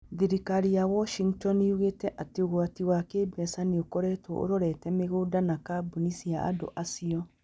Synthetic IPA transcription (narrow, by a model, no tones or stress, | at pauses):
ðiɾikaɾijawɔʃiŋɡtɔniuɣetɛʔatioɣwatiwakebɛsaniokɔɾɛtwɔ̰ʔo̰ɾɔɾɛtɛmeɣoːdanakabunisiaa̰do̰ʔasiɔ